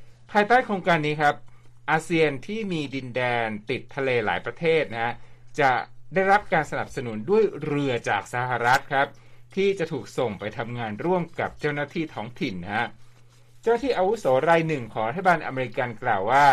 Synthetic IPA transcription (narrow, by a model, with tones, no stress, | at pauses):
pʰaː˧jt̪aː˥˩jkʰɾoː˧ŋkaː˧nːiː˦˥kʰɾa˦˥p̚ʔaː˧si˧ənt̪ʰiː˥˩miː˧di˧ndɛː˧nt̪i˨˩t̪ʰːa˧leː˧la̰ː˩˦jpɾa˧t̪ʰeː˥˩t̪̚na˦˥t͡ɕa˨˩daː˥˩jɾa˦˥p̚kaː˧nsa˧na˨˩p̚sa˧nu˨˩˦ndu˥˩əjɾɯ˧ɐt͡ɕa̰ː˨˩k̚sa˧ha˨˩ɾa˦˥t̪̚kʰɾa˦˥p̚t̪ʰiː˥˩t͡ɕa˨˩t̪ʰuː˨˩k̚so˨˩ŋpa˧jt̪ʰa˧mŋaː˧nɾu˥˩əmka˨˩p̚t͡ɕa˥˩wnaː˥˩t̪ʰiː˥˩t̪ʰɔː˦˥ŋt̪ʰi˨˩nːa˦˥ | t͡ɕa˥˩wna˥t̪ʰiː˥˩ʔa˧wu˦˥soː˩˦ɾaː˧jnɯ˨˩ŋkʰɔː˩˦ŋɾa˦t̪ʰːa˩baː˧nʔa̰˧meː˧i˧˥ka˧nklaː˨˩waː˥˩